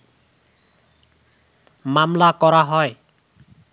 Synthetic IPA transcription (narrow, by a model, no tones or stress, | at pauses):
mamlakɔɾaɦɔj